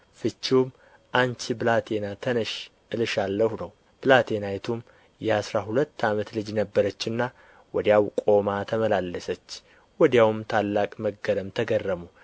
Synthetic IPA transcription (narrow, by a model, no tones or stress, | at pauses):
fɨt͡ʃːiwm | ʔant͡ʃiblat̪ʰenat̪ʰənəʃʔɨlʃalːəhunəw | b̥ɨlat̪ʰenajt̪ʰum | jɛasɾaɦulət̪ːamət̪lɨd͡ʒnəbːəɾət͡ʃːɨnːa | wɔd̪jawkʼo̞mat̪ʰəməlalːəsət͡ʃː | wɔd̪jawmt̪ʰalːakʼməɡːələmt̪ʰəɡərːəmu